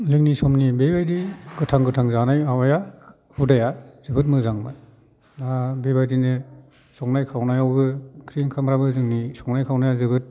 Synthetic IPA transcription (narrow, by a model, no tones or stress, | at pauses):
zɯŋnisɔmnibebajdiɡɯtʰaŋɡɯtʰaŋzanajawaja | hudajazɯbɯtmɯzaŋmɯ̰ | nabebajdinɯ | sɔŋnajkʰawnajawbɯkʰɾiŋkʰamɾabɯzɯŋnisɔŋnajkʰawnajazɯbɯt̚